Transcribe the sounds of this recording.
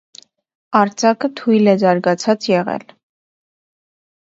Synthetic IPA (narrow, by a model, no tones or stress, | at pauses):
ɑɾt͡sɑkət̪ʰujlɛzɑɾɡɑt͡sʰɑt͡sjɛʁɛ̰l